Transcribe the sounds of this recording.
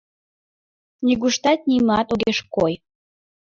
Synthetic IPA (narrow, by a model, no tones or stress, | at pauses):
nʲiɣuʃt̪ɑt̪̚nʲimɑt̪oɣeʃkoj